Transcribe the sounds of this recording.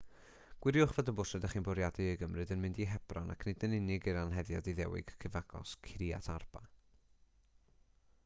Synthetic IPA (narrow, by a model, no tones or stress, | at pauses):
ɡ̥wɪɾjʊχvɔdəbʊsɛdaχiːnbɔɾjadɨəɡəmrɨdənmɪndiɦɛb̥rɔna̰kʰnɪdənɪnɪɡiɾanɦɛðjɔ̰diðɛwɪ̰ɡ̥kʰəvaɡɔ̰skʰɾia̰tʰarb̥a